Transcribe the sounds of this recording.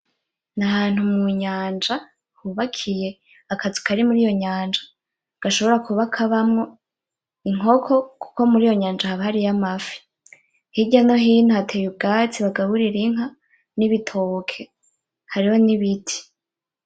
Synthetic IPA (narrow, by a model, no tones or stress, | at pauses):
nahaːn̥humŋuɲaːnd͡ʒa | huβakʰije̞ | akazukaɾimuɾijo̞ɲaːnd͡ʒa | ɡ̥aʃo̞βo̞ɾakuβakʰaβamŋo̞ | iŋ̥o̞kʰo̞ku̥ko̞muɾijo̞ɲaːnd͡ʒahaβahaɾijamafi̥ | hiɟano̞ɦiːn̥huhatʰejub̚ɡaːt͡siβaɡaβuɾiɾiŋ̥a | niβitʰokʰe̞ | haɾiho̞niβitʰi̥